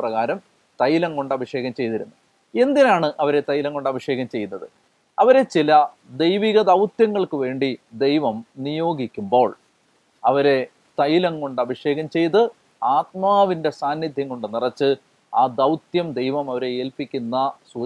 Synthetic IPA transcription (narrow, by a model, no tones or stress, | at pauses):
prɐɣaːɾɐm | t̪ɐjilɐŋko̞ɳɖɐbʱiʂe̞ːɣɐmt͡ɕe̞jt̪iɾunːu | e̞nd̪inaːɳɨʔɐʋɐɾe̞t̪ɐjilɐŋko̞ɳɖɐbʱiʂe̞ːɣɐmt͡ɕe̞junːɐðɨ | ɐʋɐɾe̞t͡ɕilɐd̪e̞jʋiɣɐd̪ɐwt̪jɐŋːɐɭkɨʋe̞ːɳɖid̪e̞jʋɐmnijo̞ːɡikʲːumbo̞ːɭ | ɐʋɐɾe̞ | t̪ɐjilɐŋko̞ɳɖɐbʱiʂe̞ːɣɐmt͡ɕe̞jt̪ɨ | aːt̪̚maːʋinde̞saːnːid̪ʱjɐŋko̞ɳɖɨnirɐt͡ɕːɨ | aːd̪ɐwt̪jɐmd̪e̞jʋɐmɐʋɐɾe̞eːlpikʲːunːɐsuː